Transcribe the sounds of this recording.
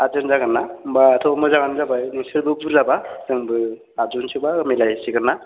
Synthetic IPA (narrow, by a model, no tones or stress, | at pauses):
ad͡ʒɯnzaɡɯnːabatʰɔmɔzaŋanzabajnisɯɾbɯbuɾzabasɯŋbɯ | ad͡ʒunsʰɯbamilajsiɡɯnːa